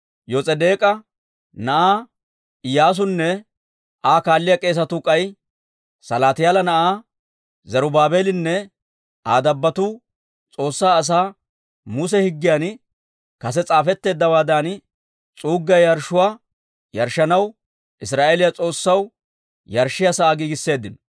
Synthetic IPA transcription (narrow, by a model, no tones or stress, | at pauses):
jɔt͡sʼɛd̪e̞ːkʼɐ | nɐʔaː | ɪjaːs̬ʊnːɛ | ʔaːkaːlːɪjɐkʼe̞ːs̬ɐt̪ʊkʼɐj | sɐlaːt̪ɪjaːlɐnɐʔaː | zɐɾʊbaːbe̞ːlɪnːɛ | aːd̪ɐbːɐt̪uː | t͡sʼo̞ːsːaːs̬aː | mʊs̬ɛhɪɡːɪjan | kɐs̬ɛt͡sʼaːfɛt̪ːe̞ːd̪ːɐwaːd̪an | t͡sʼuːɡːɐjjɐɾʃʊwaː | jɐɾʃɐnɐw | ʔɪsɾaːʔe̞ːlɪjɐt͡sʼo̞ːsːɐw | jɐɾʃːɪjasɐʔaːɡiːɡɪsːe̞ːd̪ːɪnɔ